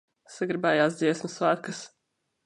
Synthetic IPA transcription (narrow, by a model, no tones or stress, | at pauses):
saɡɾibɛːjaːsd̪ziɛsmɐsvaːɾkəs